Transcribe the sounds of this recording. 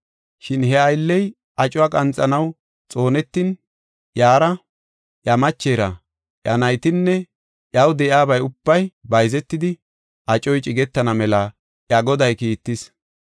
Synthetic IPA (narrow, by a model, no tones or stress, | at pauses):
ʃɪnɦɛɐjlːɛj | ɐt͡ʃʼʊaːkʼɐnt͡sʼːɐnɐw | t͡sʼo̞ːnɛt̪ːin | jaːɾɐ | ʔjɐmɐt͡ʃːe̞ːɾɐ | ʔɐnɐjt̪ɪnːɛ | ʔjɐwd̪ɛjaːbɐjʊb̥ːɐjbɐjzɛt̪ːɪd̪ɪ | ʔɐt͡ʃʼɔjt͡ʃʼɪɡɛt̪ːɐnɐmɛlɐ | ʔjɐɡɔd̪ɐjkiːt̪ːɪs